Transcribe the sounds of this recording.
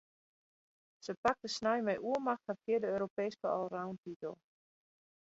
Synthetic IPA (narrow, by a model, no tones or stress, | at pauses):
səpak̚təsnajmɛjʔuəmaxtnakiədəøːɾopeːskəɔ̰lˠrawntitəlˠ